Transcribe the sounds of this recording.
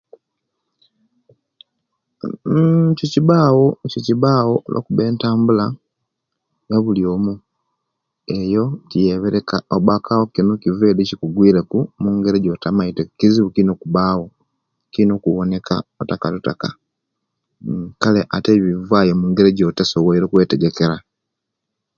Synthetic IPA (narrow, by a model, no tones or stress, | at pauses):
ciciβaːwociciβaːwolo̰kuβe̞ːntaːmbula | ŋɡaβuljo̞ːmu | ejo̞cijeβeɾekaoβakʰawo̞kinokiveːdicikuɡwiːɾekumuːŋɡe̞ɾeɟotamaitekiziβukinokuβaːwo̞ | kino̞kuβone̞kʰa̰otakalutaka̰ | kaleʔateβivaːjomuːŋɡeɾeɟotesowoiɾekweːteɟe̞keɾa